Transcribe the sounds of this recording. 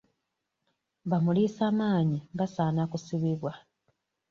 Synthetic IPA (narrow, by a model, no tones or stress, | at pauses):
βamuliːsaːmaːɲiβasaːnakusiβiβwa